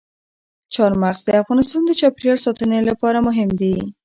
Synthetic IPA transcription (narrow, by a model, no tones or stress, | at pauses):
t͡ʃɑɾmaqzd̪əafɣɑnɪst̪ɑnd̪ət͡ʃɑpɾjɑɾsɑt̪ənelapɑɾamʊɦɪmd̪i